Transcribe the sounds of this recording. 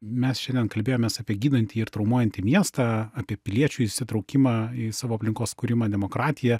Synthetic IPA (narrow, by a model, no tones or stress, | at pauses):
mʲɛsʃʲɛndʲiɛnkɐlʲbʲeːjoːmʲeːsɑːpʲiɛɡʲiːd̪ɐnʲt̪ʲiːɪɾt̪ɾɔʊmuɔjɛnʲt̪ʲiːmʲiɛst̪ɑːɑːpʲiɛpʲɪlʲiɛt͡ʃʲʊɪʃʲsʲɪt̪ɾɔʊkʲɪmɑisɑːʋoːɐpʲlʲɪŋkoːskʊɾʲɪmɑːd̪ʲɛmoːkɾɑːt̪ʲɪjɛ